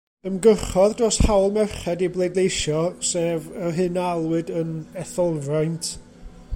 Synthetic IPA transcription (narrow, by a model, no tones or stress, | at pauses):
əmɡəχɔðdroshawlˠmɛrχɛdiblˠejdlˠejʃɔseːvərɦɨnalˠwɨdənɛθɔlˠvrajntʰ